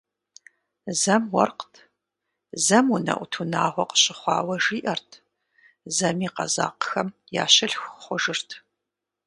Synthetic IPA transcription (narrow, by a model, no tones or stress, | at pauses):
zɐmwɐ̰rqtʰ | zɐmunɐ̰ʔʷʊtʰunaːʁʷɔqə̥ɕʼɪχʷɑ̰ːwɐʒiːʔɐrtʰ | zɐmiːqɐ̰za̰ːqə̥xɐmja̰ːɕɐɬxχʷʊʒɨrtʰ